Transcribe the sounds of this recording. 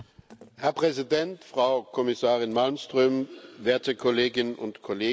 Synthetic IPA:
hɛɐpʁ̥ɛzidɛntfʁ̥aʊkʰɔmɪsaːʁɪnmalmstʁ̥øːmveːɐtʰəkʰɔleːɡɪnnʔʊntkʰoleː

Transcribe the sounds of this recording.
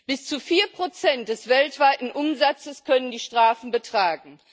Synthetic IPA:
b̥ɪst͡sufiːɐpʁ̥ot͡sɛnt̚d̥ɛsv̥ɛltv̥aɪtn̩ʔʊmzat͡səskʰœnəndiːʃtʁ̥aːfn̩bətʁ̥aːɡŋ̩

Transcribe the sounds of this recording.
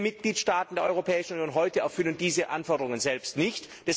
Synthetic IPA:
mɪt̚ɡ̥liːtʃtaːtn̩deːɐʔɔʏʁopʰɛːɪʃn̩unjoːnɦɔʏtəɛɐfʏlənd̥iːzəʔanfɔɐdəʁʊŋənzɛlpstnɪçt | d̥ɛs

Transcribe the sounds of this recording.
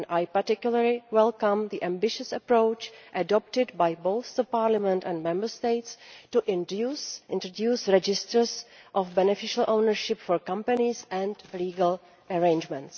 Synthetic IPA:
najpaɾtɪkjuləɹlɪwɛlkãmðiʔæ̃mbɪʃəsəpɾowt͡ʃʔədɔp̚tɪdbajbowθðəpaːɾlamɛ̃ntɛ̃ndmɛ̃mbəɹst̪eɪtstuʔɪ̃nusʔɪ̃nt̪ɾodjuːsɾɛd͡ʒɪstəɹsʔɔfbɛnɛfɪʃəlʔownəɹʃɪpfɔɹkãmpanɪsɛ̃ndliːɡəl | əɹẽjnd͡ʒmɛ̃nts

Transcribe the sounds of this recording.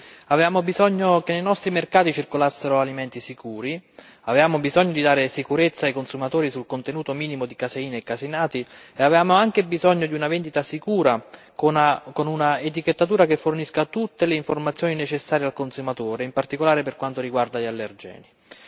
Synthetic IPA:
avevaːmobizɔɲːokenːejnɔst̪ɾimerkaːt̪it͡ʃirkolasːeɾoalimɛnt̪isikuːɾi | avevaːmobizɔɲːod̪id̪aːɾesikuɾet̪sːaːjkonsumat̪oːɾisulkont̪enuːt̪omiːnimod̪ikaseiːneːkːasinaːt̪ieavevaːmoaŋk̟ebizɔɲːod̪iunavend̪it̪asikuːɾa | konakonunaet̪̬iket̪ːat̪uːɾakefːorniskat̪ut̪ːeleiɱformat̪sːjoːninet͡ʃesːaːɾjealkonsumat̪oːɾeimpart̪ikolaːɾeperkwant̪oɾiɡward̪aʎalːerd͡ʒɛ̰ːni

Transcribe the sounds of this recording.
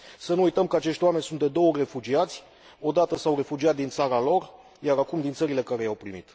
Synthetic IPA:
sənuːjt̪əmkəat͡ʃe̞ʃt̪ʲwame̞nʲsunt̪̚d̪e̞d̪o̞wəre̞fud͡ʒiat̪sʲ | o̞d̪at̪əsawre̞fud͡ʒiat̪̚d̪int̪saɾalo̞r | jaɾakumd̪int̪səɾile̞kaɾe̞jawpɾimḭt̪

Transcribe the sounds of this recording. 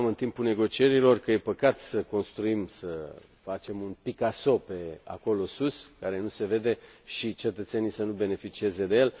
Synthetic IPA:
mɨnt̪impune̞ɡo̞t͡ʃie̞ɾilo̞rkəje̞pəkat̪səko̞nst̪ɾuimsə | fat͡ʃe̞munpikaso̞pe̞a̰ko̞lo̞suskaɾe̞nuse̞ve̞d̪e̞ʃit͡ʃe̞t̪ət̪se̞nisənube̞ne̞fit͡ʃie̞ze̞d̪e̞je̞l

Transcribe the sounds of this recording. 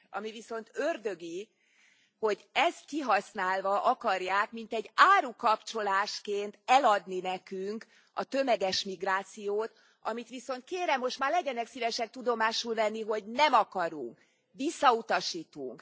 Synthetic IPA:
ɒ̰miviso̞nt̪ørd̪øɡi | ho̞ɟɛst̪kiɦɒsnaːlvɒʔɒkɒrjaːkmint̪ɛɟːaːɾukɒpt͡ʃo̞laːʃkeːnt̪ɛlɒd̪ninɛkyŋk | ɒ̰t̪ø̞mɛɡɛʃmiɡraːt̪sijoːt̪ | ɒmit̪ʋiso̞nt̪̚keːɾɛmːo̞ʃt̪maːrlɛɟɛnɛksivɛʃɛk̚t̪ud̪o̞maːʃulvɛnːiɦo̞ɟnɛmɒkɒɾṵŋk | ʋisːɒut̪ɒʃiːt̪ṵŋk

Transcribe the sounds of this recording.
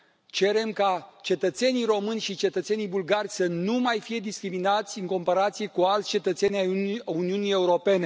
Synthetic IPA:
t͡ʃe̞ɾe̞mkat͡ʃe̞t̪ət̪se̞nijɾo̞mɨnʲʃit͡ʃe̞t̪ət̪se̞nijbulɡarʲsənumajfije̞d̪iskɾiminat̪sʲɨŋko̞mpaɾat̪sije̞kualt̪sʲt͡ʃe̞t̪ət̪se̞nʲauniunije̞uɾo̞pe̞ne̞

